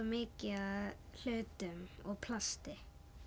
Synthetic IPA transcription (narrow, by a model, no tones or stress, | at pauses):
mɪːcɪaðl̥œːɥt̪ʏmɔɣpʰlast̪ɪ